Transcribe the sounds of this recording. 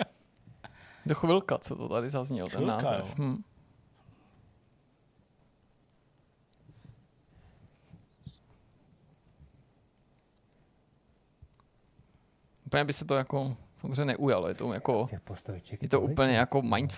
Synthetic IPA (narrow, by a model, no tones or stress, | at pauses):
doxvɪlkat͡sot̪ot̪adɪzazɲɛlt̪ɛnːaːzɛ̰fɦm̩ | ʔuplɲɛbɪsɛt̪ojakosamozr̝eɛɲɛnɛʔujalojɛt̪ojatkoɛpost̪ɪt͡ʃɛjɛt̪oʔuːpl̩ɲɛjakomajt̪f